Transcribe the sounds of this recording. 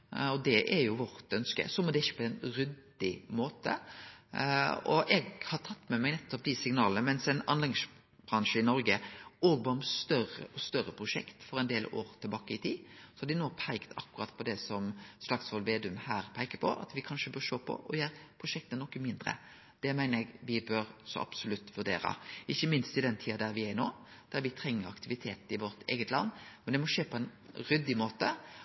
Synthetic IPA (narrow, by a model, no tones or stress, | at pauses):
ɔd̪ɛʔɛɾjʊʋɔɾt̪œnskə̰sɔmɔd̪ɛɪçːə̥pʰɔɛnɾʏd̪ | ɪmoːt̪ə̰ | ɔ̰ʔɛɡhɑɾʈ̪ʰɑt̪ːmɛmɛɡnɛt̪ːɔp̚d̪isɪŋnɑːlənəmɛnsɛnɑnlɛɡs | b̥ɾɑŋʂəɪnɔɾɡəoːɡbɑnst̪œɾə̰ɔst̪œɾːəpʰɾʊʂɛ̰kt̪fɔɾɛɪnd̪eːlo̰ːɾt̪ʰɪlbɑːkəɪt̪ʰiːsɔ̥hɑd̪ɪnoːpʰæɪkt̪ʰɑkːʉɾɑt̪pʰɔd̪ɛsɔmslɑksʋɔlʋeːd̪ʉmhæːɾpʰæɪkəpʰɔ̰ʔɑ̰t̪ʋɪkʰɑnʃəbœɾʂoːpʰɔ̰ʔɔjæːɾpʰɾʊʂɛk̚t̪ənɔkːəmɪnd̪ɾə̰ | d̪̥ɛmæɪnəɾɛɡʋɪbøɾsɔ̰ʔɑ̰b̥sʊlʉt̪ːʋʉɖ̪ḛːɾɑ̰ɪçːəmɪnst̪ɪd̪ɛnt̪ʰiːɑd̪æɾʋɪæɾnoːd̪̥æɾʋɪt̪ʰɾɛŋːəɾɑ̰kt̪ʰɪʋɪt̪ʰeːt̪ɪʋɔɾt̪ʰḛːɡət̪lɑ̰nːmɛnd̪ɛmɔʂeːpʰɔɛnɾʏd̪ɪmoːt̪ə